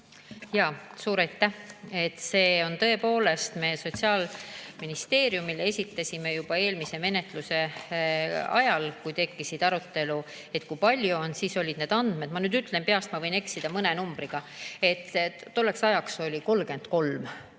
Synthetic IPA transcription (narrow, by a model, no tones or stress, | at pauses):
jɑːsuːɾɑjt̪ːˑæhe̞t̪ːse̞ːo̞nt̪ɤ̞e̞po̞ːle̞st̪me̞ːso̞t̪ʲsiɑːlminist̪e̞ːɾjumilee̞sʲit̪ːˑɑsʲime̞jub̥ɑe̞ːlmise̞me̞ne̞t̪ˑluse̞ | ɑ̰jɑlkujt̪e̞kːisid̪̥ɑɾut̪ːe̞lu | e̞t̪kujpɑlʲjuo̞nsiso̞lʲid̪̥ne̞ːd̪ɑnd̪̥me̞d̪̥mɑnyːd̪yt̪ˑlempeɑst̪mɑvɤjne̞ksid̪̥ɑmɤne̞numb̥ɾiɡ̥ɑe̞t̪ːo̞lːe̞ksɑjɑkso̞lʲiko̞lɡe̞nd̪ko̞lm